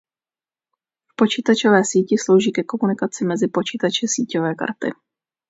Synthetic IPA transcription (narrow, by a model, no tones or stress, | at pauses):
fpo̞t͡ʃiːt̪at͡ʃo̞vɛːsiːcɪslo̞wʒiːkɛko̞munɪkat͡sɪmɛzɪpo̞t͡ʃiːt̪at͡ʃɛsiːcovɛːka̰ɾt̪ɪ̰